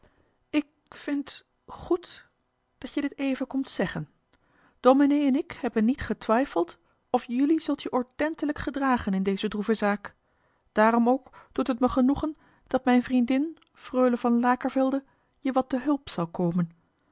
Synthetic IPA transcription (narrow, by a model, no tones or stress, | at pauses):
ɪk̚ | fɪnt | χut | d̥ɑtjədɪtejvənkɔmtsɛχən | d̥ominejɛnɪkhɛbənːitχətʋɛjfəlˠt | ɔfjʏlizɵlˠtjəʔɔɹtɛntələkχədraːχənɪndejzədruvəzaːk | d̥aːrɔmowkd̥utɦətməχənuχən | d̥ɑtmɛjnvrindɪn | frøːləvɑnlaːkəɹvɪlˠdə | jəʋɑtːəɦɵlˠpsɑwkowmən